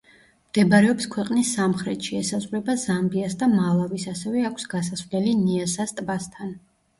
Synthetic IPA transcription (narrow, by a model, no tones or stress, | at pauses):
md̪̥ɛbaɾɛɔpskʰwɛqʼnisːamχɾɛt̪ʃiɛsazʁɾɛbazambiasd̪amalˠavisasɛvɛakʷʰsɡasasvlɛliniasast̪ʼbast̪ʰan